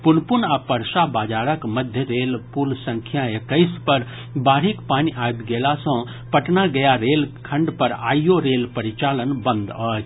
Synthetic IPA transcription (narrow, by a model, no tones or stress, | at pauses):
punpunapəɾsabad͡ʒaɾəkməd̪ʱjəɾelpulsə̃ŋkʰjaekəɪspəɾ | baɾikpaniajb̪ɡelasə̃ | pəʈnaɡəjaɾelkʰə̃ɳɖpəɾa̰jjoɾelpəɾit͡ʃalənbə̃nd̪ə